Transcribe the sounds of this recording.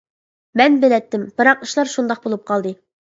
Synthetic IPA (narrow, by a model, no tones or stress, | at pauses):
mɛnbɪ̆lɛt̪ːɪmb̥ɨɾɑqɨʃlˠɑɾʃund̪ɑq̚bolˠup̚qʰɑlˠd̪ɨ